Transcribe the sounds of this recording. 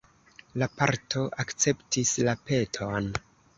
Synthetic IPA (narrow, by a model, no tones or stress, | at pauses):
lapa̰ɾtʰo̞ʔakt͡se̞ptislape̞tʰon